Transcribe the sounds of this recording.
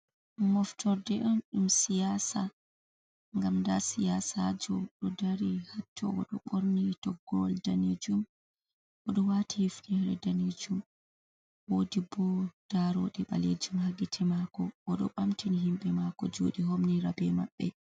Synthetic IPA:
mɔftɔɾdɛʔɔnɗumsijasa | ŋɡamndasijasad͡ʒɔɗɔdaɾihatʰːɔ̰ʔɔɗɔ̰ɓoɾnitɔɡːɔldaned͡ʒum | ʔɔɗɔwatihifnɛhɛɾɛdaned͡ʒum | wodibɔd̥aɾɔɗɛɓa̰led͡ʒumhaɡitʰɛmakɔʔɔɗɔ̰ɓamtiniɦimɓɛmakɔd͡ʒoːɗiɦomniɾabɛmaɓːɛ̰

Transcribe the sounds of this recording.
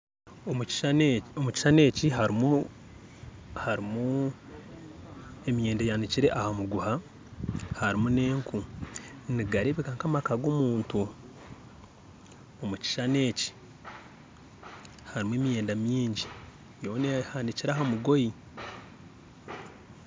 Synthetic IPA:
omuci̥ʃane̞ːciɦaɾimu | haɾimu | e̞mijeːndejaːndiciɾe̞ʔahamuɡuha | haɾimune̞ːŋku | niɡaɾeβikaŋkamakaɡoːmuːntu | omuci̥ʃane̞ːci̥ | haɾimueːmije̞ːndamjiːɲɟi | jo̞ːnehandiciɾaɦamuɡo̞ji

